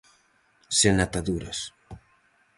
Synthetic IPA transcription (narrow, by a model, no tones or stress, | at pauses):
senat̪aðuɾɐ̰s